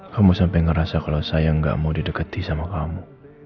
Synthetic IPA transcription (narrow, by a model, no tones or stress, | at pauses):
kamusampɛjŋəɾasakalawsajaəŋɡa̰ʔmaudidəkət̪isamakamu